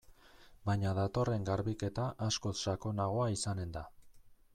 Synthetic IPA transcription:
bajɲaðat̪o̞re̞ŋɡaɾβike̞t̪aʔasko̞sʃako̞naɣ̞o̞aisane̞nd̪a

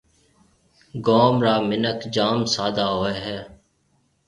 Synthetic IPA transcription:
ɡoːmɾaːmɪnəkd͡ʒaːmsaːd̪aːɦoːeɦɛː

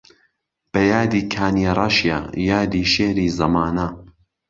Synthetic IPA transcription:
b̥ɐjaːd̪iːkʰaːnjeɾˤaʃja̰jaːd̪iːʃeːɾiːzɐmaːnɐ

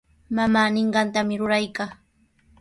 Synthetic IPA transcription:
mamaːnɪɴɢɑnt̪amɪɾʊɾajkaː

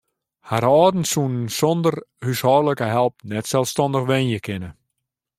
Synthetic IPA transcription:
haɾɔːdn̩sunnsɔndərhyshɔːrləkəɦɛlˠp̚nɛtsɛlˠfstɔndəxʋɛnjəkʰɪnə

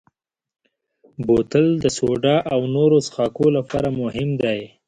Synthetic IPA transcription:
bot̪əld̪əsoɖɑʔawnoɾosxɑkolapɑ̰ɾamʊhɪmd̪aj

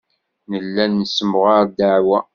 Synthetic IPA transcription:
nəlːænːəsəmʁaɾˤd̪aʕwæ

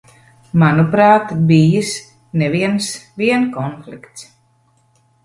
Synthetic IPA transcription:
manupɾaːt̪bijis | neviɛnsviɛnkɔnflikt̪s

